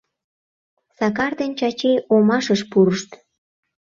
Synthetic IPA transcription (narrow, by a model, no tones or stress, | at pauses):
sɑk̬ɑrd̪ent͡ɕɑt͡ɕejomɑʃəʃpuɾəʃt̪